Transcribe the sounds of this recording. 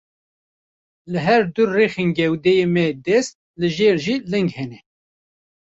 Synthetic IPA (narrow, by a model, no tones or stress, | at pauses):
lɨɦɛɾd̪uːeːxenɡɛwd̪ɛjemɛd̪ɛst̪̚lɨʒeːɾʒiːlɨŋɡhɛnɛ